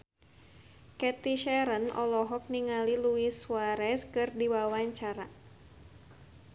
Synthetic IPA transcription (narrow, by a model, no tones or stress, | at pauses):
kɛt̪iʃɛɾənɔ̰lɔɦɔk̚niŋaliluiswaɾɛskɨrdiwawaɲt͡ʃaɾa